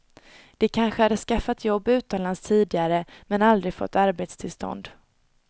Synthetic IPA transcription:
d̪̥ɛkʰanɧəhad̪ːəskafːat̪jɔbːʉ̟ːt̪ɔmlanst̪ʰiːd̪ɪɡaɾəmɛnald̪ɾɪɡfɔ̰t̪ːaɾbeːt̪st̪ʰɪlst̪ɔ̰nd̪

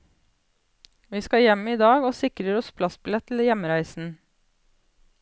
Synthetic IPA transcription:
ʋiːskɑjɛmiːd̪ɑːɡoːsɪkɾəɾɔspʰlɑsbɪlɛt̪ʰl̩jɛməɾæɪsn̩

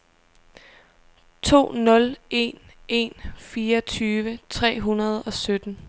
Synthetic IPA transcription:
t͡sʰo̝̰ːnɔ̽le̝nʔe̝nfiːɐt͡sʰyːʋət͡sʰʁɛ̰ːɦunɐð̞ˠɒ̽sød̥n̩

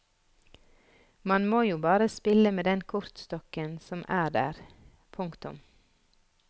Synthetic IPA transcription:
mɑnmoːjuːbɑːɾəspɪləmeːd̪ɛnkʰʊɾt̪st̪ɔkənsɔmʔæːɖæ̰ːɾ | pʰʊŋkt̪ʊ̰m

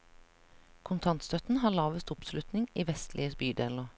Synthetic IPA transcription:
kʰʊnt̪ʰɑnt̪st̪œt̪n̩hɑːɭɑːʋəst̪ʊpslʉt̪nɪŋiːʋɛst̪ʰlʔɪəsbyːɖ̪eːloː

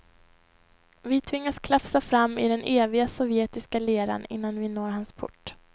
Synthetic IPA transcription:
vɪt̪ʰvɪŋːaskʰlafsafɾamːɪ̰d̪ɛnʔeːvɪɡasɔvjeːt̪ɪskaleːɾa̰nɪ̰nːanvɪnoːɾɦanspʰʊ̰ʈː

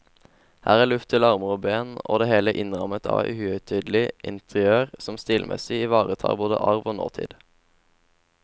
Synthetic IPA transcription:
hæːʁæːʁlʉft̪ʰəlɑʁməʁoːbeːno̰ːd̪eːheːləʔɪnʁɑmət̪ʰɑ̰ːʋæ̰hʉːœʏt̪ʰyːd̪l̩ɪʔɪnt̪ʰəʁɪøːʁsɔmst̪iːlmʔɛ̰sɪɪʋɑːʁət̪ʰɑ̰ːboːd̪ə̰ʔɑʁʋoːno̰ːt̪ʰɪ̰ːd̪̥

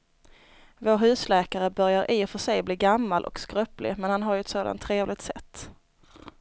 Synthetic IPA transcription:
voːɾɦʉ̟ːslɛːkaɾəbœɾjaɾʔɪːfœʂɛjbliːɡamːalʔɔ̰kskɾœplɪ̰mɛnhanɦaɾjɵɛt̪soːd̪a̰nt̪ʰːɾeːvlɪɡt̪sɛ̰t̪ː

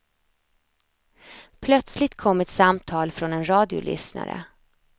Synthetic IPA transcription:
pʰlœt̪slɪt̪kʰɔmːɛt̪samt̪ʰɑːlfɾɔnɛnɾɑːd̪ɪʊ̰lʔʏ̰sna̰ɾə̰

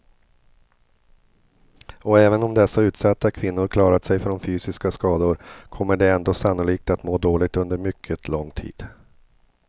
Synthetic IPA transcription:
ɔɛːvənɔmd̪ɛsːaʉ̟ːt̪sat̪ːakʰvɪnːʊɾkʰlɑːɾat̪sɛjfɖɔmfyːsɪskaskɑːd̪ʊɾkʰɔmːəɖɛɛnd̪oːsanːʊliːk̚t̪at̪moːd̪oːlɪɡ̚t̪ɵnd̪əɾmʏkʰːət̪ʰlɔŋːt̪ʰḭːd̪̥

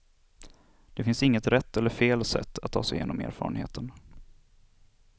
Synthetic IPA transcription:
d̪̥ɛfɪnsɪŋːət̪ɾɛt̪ʰːɛlːəɾfeːlsɛ̰t̪ʰːat̪ʰːɑ̰ːsɛɪjḛːnɔmḛːɾfɑ̰ːɾənhḛːt̪ʰən

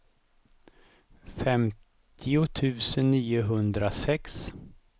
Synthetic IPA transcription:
fɛmtt̪ʰɪʊt̪ʰʉ̟ːsənːiːʊɦɵnd̪ɾasɛks

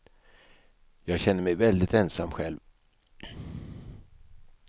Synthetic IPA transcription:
jɑːɡɕɛnːəɾmɛjvɛld̪ɪt̪ɛnsamːɧɛlv

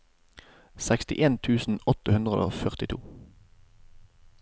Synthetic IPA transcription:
sækst̪ɪʔeːnt̪ʰʉːsn̩ɔt̪əhʉnd̪ʁəo̰ːfœʁt̪ɪt̪ʰṵː

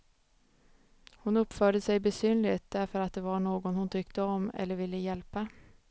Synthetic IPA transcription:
hʊnɵpːfœːɖəsɛjbɛsyːnlɪt̪̚d̪æɾfɔɾat̪̚d̪eːvaɳoːɡɔnhʊnt̪ʰʏkt̪əɔmɛ̰lːəɾʋɪlːəjɛlpə

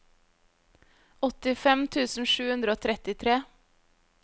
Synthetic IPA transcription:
ʔɔt̪ɪfɛmt̪ʰʉːsn̩ʃʉːhʉnd̪ɾəoːt̪ʰɾɛt̪ɪt̪ʰɾeː

